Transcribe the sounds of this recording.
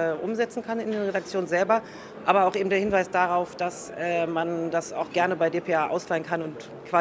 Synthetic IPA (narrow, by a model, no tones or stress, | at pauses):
ɛːʔʊmzɛt͡sn̩kʰanɪndeːnʁedak̚t͡sjoːnənzɛlbɐ | ʔaːbɐaʊxʔeːbm̩d̥eːɐhɪnvaɪsd̥aʁaʊfd̥asʔɛːmandasa̰ʊxɡ̥ɛɐnəbaɪdeːpʰeʔaːʔa̰ʊslaɪənkʰanʊnt | kv̥aː